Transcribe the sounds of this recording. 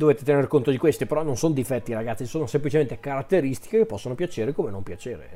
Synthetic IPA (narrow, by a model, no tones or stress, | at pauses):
d̪oveːt̪et̪enerkont̪od̪ikwest̪ipeɾɔnːonsonod̪ifɛt̪ːiɾaɡat̪sːisoːnosemplit͡ʃement̪ekaɾat̪ːeɾist̪i̥kekepːɔsːonopjat͡ʃeːɾekomenompjat͡ʃeːɾḛ